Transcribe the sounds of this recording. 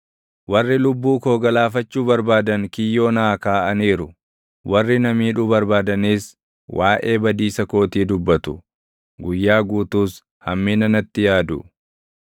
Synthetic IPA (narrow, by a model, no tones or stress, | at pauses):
wɐrːɪlʊbːuːko̞ːɡɐlaːfɐt͡ʃːuːbɐɾbaːd̪ɐŋkɪjːo̞ːnaːkaːʔɐniːɾʊ | wɐrːɪnɐmiːᶑʊbɐɾbaːd̪ɐniːs | wʔaːʔe̞ːbɐd̪iːsɐko̞ːt̪iːd̪ʊbːɐt̪ʊ̥ | ɡʊjːaːɡuːt̪uːs | hɐmːiːnɐnɐt̪ːɪjaːd̪ʊ